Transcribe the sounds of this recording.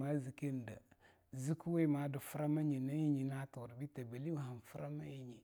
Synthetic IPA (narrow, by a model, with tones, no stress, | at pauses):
ma˦zi˨ke˦n˨də̰˨ | zi˦ku˦we˦ma˨˦dɨ˨fu˦ɾa˦ma˦ɲi˨na˦ji˦ɲi˨na˦to˨ɾbi˦ta˨be˨li˦wɦa˨n˨fə˦ɾa˦ma˦ji˨ɲi˨